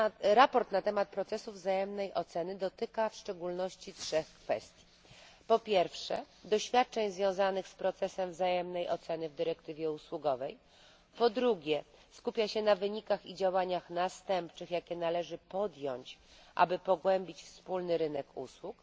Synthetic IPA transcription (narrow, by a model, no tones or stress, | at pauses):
ɾapɔɾt̪nat̪ɛmat̪̚pɾɔt̪sɛsuvzajɛmnɛjʔɔt̪sɛnɘd̪ɔt̪ɘkafʂt͡ʂɛɡulnɔɕt͡ɕitʂɛxkfɛ̰st̪ʲji | pɔpʲjɛɾfʂɛ̰ | d̪ɔɕfʲjat̪̚t͡ʂɛɲzvʲjɔ̃w̃zanɘxspɾɔt̪sɛsɛmvzajɛmnɛjʔɔ̰t̪sɛnɘvd̪ɘɾɛkt̪ɘvʲjɛuswuɡɔvɛj | pɔd̪ɾuɡʲjɛskupʲjaɕɛnavɘɲikaxid͡ʑawaɲaxnast̪ɛmpt͡ʂɘxjakʲɛnalɛʐɘpɔd̪jɔɲt͡ɕʔa̰bɘpɔɡwɛmʲbʲit͡ɕfspulnɘɾɘnɛkṵswuk